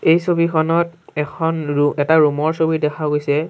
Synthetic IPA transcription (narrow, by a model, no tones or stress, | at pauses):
ejsobikʰɔnɔt̚ɛkʰɔnɹuɛtaɹumɔɹsobidɛkʰaɡojsɛ